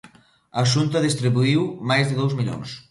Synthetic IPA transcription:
ɐʃ̬unt̪ɐðist̪ɾiβuiwmajzðɪðowzmiʎo̰ŋs

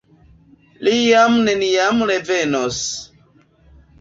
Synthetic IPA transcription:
lijamnenijamɾevenos

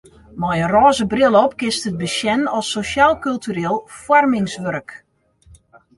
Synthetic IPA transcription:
mɔjərɔːzəbrɪlˠəɔpkɪstəd̚bəsjɛnɔsːosaːlˠkylˠtyɾeːlˠfwɔrmɪŋsʋørk

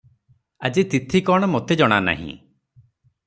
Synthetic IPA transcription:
ad͡ʒit̪it̪ʰikɔɽ̃ɔmot̪ʰed͡ʒɔɽ̃ana̰ɦḭ̃

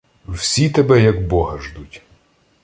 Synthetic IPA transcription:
wsʲit̪ɛbɛjɐɡbɔɦɐʒd̪utʲ

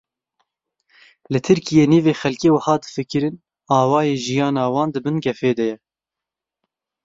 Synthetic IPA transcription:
lɨt̪ʰɨɾkijeːniːveːxɛlkeːwɐhɑːd̪ɨ̥fɨkɨɾɨn | ɑːwɑːjeːʒijɑːnɑːwɑːnd̪ɨbɨnɡʲɛfeːd̪ɛjɛ

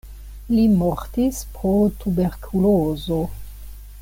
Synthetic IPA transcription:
limoɾtispɾotubeɾkʰulozo

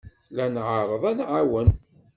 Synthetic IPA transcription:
lænʕəɾˤəðˤænʕawən

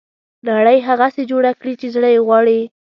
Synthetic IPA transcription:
naɽəjɦaɣased͡ʒoɽakɽit͡ʃezɽəjeɣwɑɽi

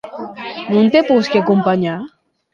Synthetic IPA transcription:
nunt̪eposkeɡompaɲa

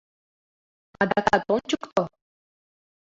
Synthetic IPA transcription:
ɑd̪akat̪ont͡ɕukt̪o

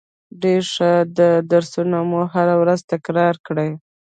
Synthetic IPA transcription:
ɖeɾʂad̪əd̪aɾsunomoɦaɾawɾazt̪akɾɑɾkɽəj

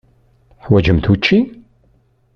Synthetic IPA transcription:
ħwæd͡ʒəmt̪ut͡ʃːi

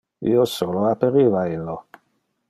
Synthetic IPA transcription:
ḭːosoːloapːeɾiːvailːo

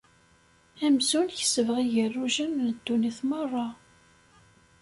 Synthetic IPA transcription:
æmzulçə̥səvʁiʝərːuʒənnəd̪ːuniθmərˤːɑ

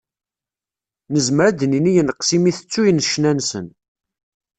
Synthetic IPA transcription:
nəzməɾæd̪ninijənqsimiθə̥t͡sːujənʃnænsə̰n

